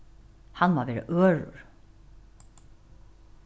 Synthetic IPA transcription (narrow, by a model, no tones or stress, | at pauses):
hanːvaɾvɛːɾɪ̰ʔœːɾʊ̰ɾ̥